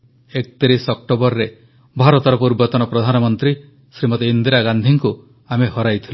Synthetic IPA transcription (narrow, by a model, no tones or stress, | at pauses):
ek̚t̪iɾisɔk̚ʈobɔɾɾe | bʱaɾɔt̪ɔɾɔpuɾbɔt̪ɔnɔpɾɔd̪ʱanɔmɔnt̪ɾi | sɾimɔt̪ɔind̪iɾaɡand̪ʱiŋku | amehɔɾajt̪ʰil